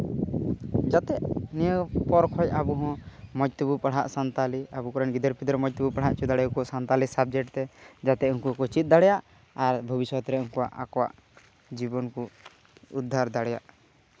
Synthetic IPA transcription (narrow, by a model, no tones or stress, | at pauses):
d͡ʒat̪ɛʔnijəpɔɾkʰɔjabuɦɔ̃mɔd͡ʒt̪ubupaɽ̤a̰ʔsant̪aliabukɔɾɔnɡid̪əɾpid̪ɾɛmɔd͡ʒ̚t̪ubupaɽ̤aʔt͡ʃud̪aɽɛkuasant̪alisab̚d͡ʒɛʈt̪ɛd͡ʒat̪ɛʔuŋkuakɔt͡ʃit̪̚d̪aɽɛjaʔ | aɾbʱɔbiswɔt̪ɾɛũŋkuwa̰ʔa̰kɔwa̰ʔ | d͡ʒibɔnku | ud̪ʱːaɾd̪aɽɛja̰ʔ